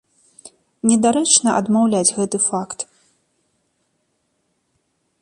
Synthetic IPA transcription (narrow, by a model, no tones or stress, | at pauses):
nʲɛd̪aɾɛt͡ʂnɐʔɐ̰d̪mawlʲad͡zʲɣɛt̪ɨfakt̪